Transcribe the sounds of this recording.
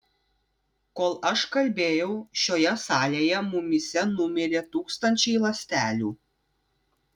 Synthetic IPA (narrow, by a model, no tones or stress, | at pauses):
koːlˠɐʃkɐlʲbʲeːjɛʊʃʲoːjɛsɑːlʲeːjɛmʊmʲɪsʲɛnʊmʲɪɾʲeːt̪uːkst̪ɐnʲt͡ʃʲɛɪlˠɐsʲt̪ʲæːlʲuː